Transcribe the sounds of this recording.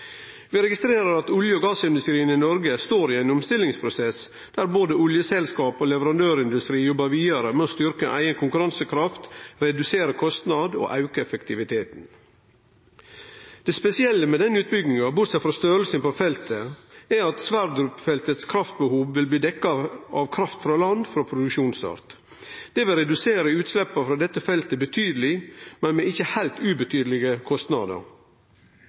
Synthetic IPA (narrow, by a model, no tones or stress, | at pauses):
ʋɪɾɛɡɪst̪ɾeːɾəɾɑt̪ʊljəoːɡɑːsɪnd̪ʉst̪ɾiːənɪnɔɾɡəst̪oːɾiæɪnʊmst̪ɪlːɪŋspʰɾʊsɛs | d̪̥æɾboːd̪əʊljəsɛlskɑːpoːlɛʋəɾɑnd̪øːɾɪnd̪ʉst̪ɾiːjɔbːɑʋiːd̪ɑɾəmoːst̪ʏɾkəʔæ̰ɪənkʰʊŋkʉɾɑnsəkʰɾɑft̪ɾɛd̪ʉseːɾəkʰɔst̪nɑd̪o̰ːʔɑʉkəɛfəkt̪ʰɪʋɪt̪ʰeːt̪n̩ | d̪̥ɛspɛsɪɛlːəmɛd̪ɛnːʉːt̪̚bʏɡnɪŋɑbʊɾsɛfɾɑst̪øːɾlsənpofɛlt̪ʰəæɾɑt̪sʋæɾd̪ɾʉpfɛlt̪ət̪skʰɾɑft̪̚bəhuːʋʋɪlbliːd̪ɛkːɑʔɑʋkʰɾɑft̪fɾɑːlɑnd̪fɾɑːpʰɾʊd̪ʉkʃuːnsɑ̰ɾt̪ | d̪̥ɛʋɪlɾɛd̪ʉseːɾəʉːt̪slɛpːɑfɾɑːd̪ɛt̪ːəfɛlt̪əbət̪ʰyːd̪əlɪmɛnmɛɪçːəhæɪlt̪ʉːbət̪ʰyːd̪əlɪɡəkʰɔst̪nɑd̪ə̰ɾ